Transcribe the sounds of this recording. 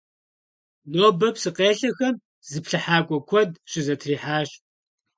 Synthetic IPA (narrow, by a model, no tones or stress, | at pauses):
noːbɐpsɨqeːɬɐxɐm | zɨpɬɨħaːkʷʼɔkʷʰɔdɕɪzɐtʰriːħaːɕ